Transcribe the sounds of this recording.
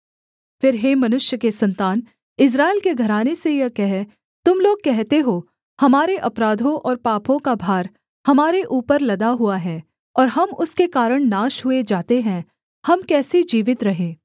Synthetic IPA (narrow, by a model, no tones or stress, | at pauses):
fɪɾɦeːmɐnʊʃjəkesɐ̃nt̪aːn | ɪs̬ɾaːɪlkeɡʱɐɾaːnesejɐkɛɦɛ | t̪ʊmloːɡ̚kɛɦt̪eɦoː | hɐmaːɾeʔɐpɾaːd̪ʱõʔɔːɾpaːpʰõkabʱaːɾ | hɐmaːɾeʔuːpəɾlɐd̪aɦuaɦɛː | ɔːɾɦɐmʊskekaːɾəɽ̃naːʃɦʊed͡ʒaːt̪eɦɛ̃ | hɐmkɛːsed͡ʒiːʋɪt̪ɾɐɦẽː